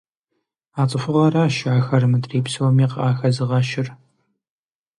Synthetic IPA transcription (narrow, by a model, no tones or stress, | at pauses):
aːt͡sʼɨfʊʁɐɾaːʃʕaːxɐɾɨmɨdreːpsɨwɔmiːqaːxɐzɨʁɐʃɪr